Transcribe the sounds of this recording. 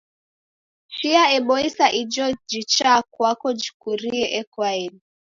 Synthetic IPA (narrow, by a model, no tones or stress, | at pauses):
ʃiaɛɓɔisaʔid͡ʒɔd͡ʒit͡ʃakwakɔd͡ʒi̥kuɾiɛʔɛkwaɛni